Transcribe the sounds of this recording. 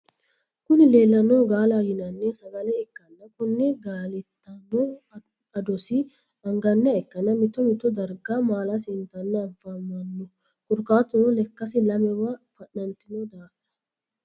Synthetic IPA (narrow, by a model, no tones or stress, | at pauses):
kʊnɪleːlːɐnoːɡaːlajɪnɐnːɛsɐɡɐlɛɛkːɐnːɐkʊnːɛɡaːlɪt̪ːɐnːɔ | ɐd̪ɔsɪ | ɐŋɡɐnːɐɛkːɐnɐmɪt̪ːɔmɪt̪ːɔd̪ɐɾɡamaːlɐsɪnt̪ɐnːɛɐvamːɐnːɔ | kʊɾkaːt̪ːʊnɔlɛkːɐsɪlɐmɛwɐfɐʔɐnt̪ɪnod̪aːfɪd̪ɐ̥